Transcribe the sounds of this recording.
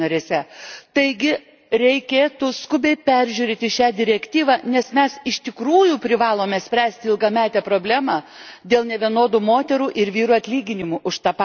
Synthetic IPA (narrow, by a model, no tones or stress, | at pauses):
ɐɾʲeːsʲɛt̪ɐɪɡʲɪ | ɾʲɛɪkʲeːt̪uskʊbʲɛɪpʲæɾʲʒʲuːɾʲeːt̪ʲɪʃʲæːd̪ʲɪɾʲɛkʲt̪ʲiːʋɑːnʲɛsmʲɛsɪʃt̪ʲɪkɾuːjuːpʲɾʲɪʋɑːlˠoːmʲɛsʲpʲɾʲæːsʲt̪ʲɪɪlˠɡɐmʲæːt̪ʲɛpɾoːbʲlʲæːmɑːd̪ʲeːlˠnʲɛʋʲiɛnoːd̪uːmoːt̪ʲɛɾuːʔɪɾʋʲiːɾuːɐt̪ʲlʲiːɡʲɪnʲɪmuʔʊʃt̪ɑːpː